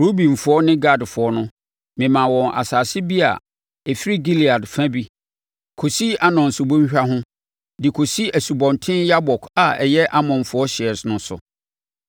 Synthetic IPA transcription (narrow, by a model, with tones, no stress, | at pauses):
ɾo˦bĩ˨m̩˨fʊ˨˦ɔ˦nɪ̃˦ɡa˦˨dfʊ˨ɔ˦nʊ̃˦ | mɪ̃˨mã˨wɔ̃˨ŋʔa̰˨saː˨sɪ˦bi˦a̰˨ | ɛ˨fi˦ɾi˦ɡi˦li˨a˨dfã˦bi˦ | kʰo˨si˦ʔa˦nɔ̃˨n̩˨su˨bõ˦ɲ˦ɕᶣa˦ɦʊ̃˦ | dɪ˨kʰo˨si˦æ˨su˨bɔ̃˨ntʰɪ̃˦nja˦bɔ˨ka˨ɛ˨jɛ˦ʔa˦mɔ̃˨n˨fʊ˨˦ɔ˦ɕɪ˨ɛ˨ɾsnʊ̃˦sʊ̰˨